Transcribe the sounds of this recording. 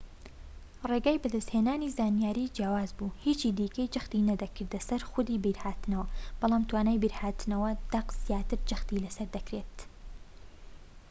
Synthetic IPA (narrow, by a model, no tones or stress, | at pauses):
reɡaːjbɐd̪ɐst̪heːnaːnizaːnjaːɾiːd͡ʒjaːwaːzbuːhiːt͡ʃiːd̪iːkɐjd͡ʒɐxt̪inɐd̪ɐkɨɾd̪ɐsɐɾxʊd̪iːbiɾhaːt̪ɨnɐwɐb̥ɑlˠaːmt̪waːnaːjbiːɾhaːt̪nɐwɐd̪̥ɐqzijaːt̪ɨɾd͡ʒɐxt̪ilɐsɐɾd̪ɐkɾeːt̪